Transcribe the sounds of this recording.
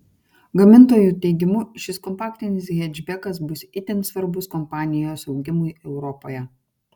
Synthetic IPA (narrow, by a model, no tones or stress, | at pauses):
ɡɐmʲɪnt̪oːjuːt̪ʲɛɪɡʲɪmʊʃʲɪskɔmpaːkt̪ʲɪnʲɪs̬ɣʲɛd͡ʒʲbʲɛkɐsbʊsit̪ʲɛnsʋɐɾbʊskɔmpɑːnʲɪjoːsɒʊɡʲɪmʊjɛʊɾɔpoːjɛ